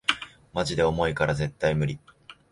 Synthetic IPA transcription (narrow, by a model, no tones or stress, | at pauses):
maʑid̪e̞o̞mo̞ikaɾaze̞t̪ːaimɯ̟ɾʲi